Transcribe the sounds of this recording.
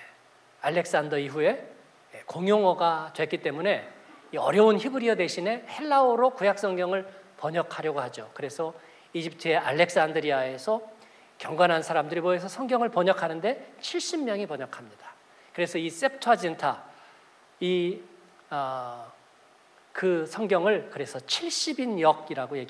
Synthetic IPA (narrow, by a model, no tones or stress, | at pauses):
aɭːe̞k̚s͈andʌiɸue̞ | koŋjoŋʌɡadwe̞k͈it͈e̞mune̞iʌ̰ɾjʌunçibɯɾiʌde̞ɕʰine̞he̞ɭːaoɾokujak̚s͈ʌŋɡjʌŋɯɭpʌɲʌkʰaɾjʌɡohad͡ʑokɯɾe̞sʰʌ | id͡ʑip̚tʰɯeʔaɭːe̞k̚s͈andɯɾiae̞sʰʌ | kjʌŋɡwanɦansʰaɾamdɯɾimoes̬ʰʌsʰʌŋɡjʌŋɯɭpʌɲʌkʰanɯnde̞t͡ɕʰiɭɕ͈immːjʌŋipʌɲʌkʰamɲid̥ḁ | kɯɾe̞sʰʌis͈ep̚tʰad͡ʑintʰa | i | kɯsʰʌŋɡjʌŋɯɭkɯɾe̞sʰʌt͡ɕʰiɭɕ͈ibinjʌɡiɾaɡoje̞ɡi